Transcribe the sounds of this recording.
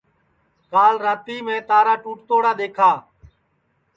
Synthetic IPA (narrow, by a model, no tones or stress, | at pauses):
kaːlɾaːt̪iːmẽːt̪aːɾaːʈuːʈ̚t̪oːɽaːd̪eːkʰaː